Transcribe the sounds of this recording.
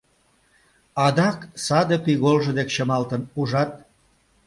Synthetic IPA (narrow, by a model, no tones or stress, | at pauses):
ɑd̪ɑksɑd̪epiɣolʒɤ̆d̪ekt͡ɕəmɑlt̪ənuʒɑt̪̚